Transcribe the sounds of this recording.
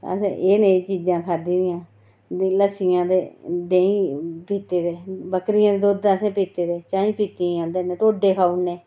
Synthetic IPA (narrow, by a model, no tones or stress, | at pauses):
əsḛ̃ʔeːnẽːt͡ʃiːd͡ʒãːkʰaːd̪iːnɪjãː | iləsɪjãːd̪eːd̪eːĩːpiːt̪eːd̪eːbəkɾɪjãːd̪eːd̪oːd̪aːsẽːpiːt̪eːd̪eːt͡ʃãːpiːt̪ĩãːnd̪eːneːʈ̪oːɖeːkʰaːuneː